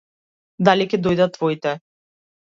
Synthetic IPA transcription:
d̪alikʲɛd̪ɔjd̪at̪ːvɔit̪ɛ

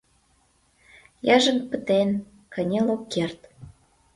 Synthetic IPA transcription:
jɑʒə̆npə̆t̪en | kə̆nʲelokkːert̪

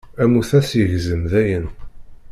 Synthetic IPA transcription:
æmuθæsjəʝzəmðæjən

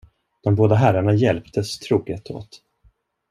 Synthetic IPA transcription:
d̪̥ɔmboːd̪aɦæɾaɳajɛlpt̪ʰəst̪ʰɾuːɡət̪ʰo̰ːt̪

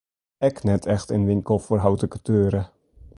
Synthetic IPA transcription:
ɛknɛtʰɛxtənʋɪŋkəlˠfoːrɦawtəkətʰøːɾə

